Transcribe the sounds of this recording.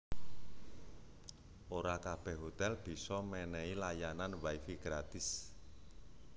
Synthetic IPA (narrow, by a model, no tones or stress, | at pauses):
oɾakab̥ɛ̤hɦot̪ɛlb̥i̤sɔmɛnɛilajananwajfiɡ̥ɾat̪ɪs